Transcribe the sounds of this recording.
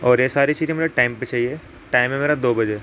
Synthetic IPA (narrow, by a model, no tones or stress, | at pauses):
ɔːɾjesaːɾit͡ʃiːzẽmʊd͡ʒʱeʈaːɪmpət͡ʃaːɦie | ʈaːɪmɦẽmeːɾad̪oːbɐd͡ʒeː